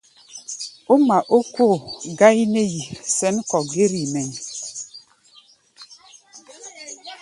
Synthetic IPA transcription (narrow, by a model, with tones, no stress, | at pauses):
o˦ma˨ʔo˦ko˦˨ɡa˦ji˦ne˦ji˨sɛ˦n˦kɔ˨ɡe˦ɾi˨mɛ˨n˨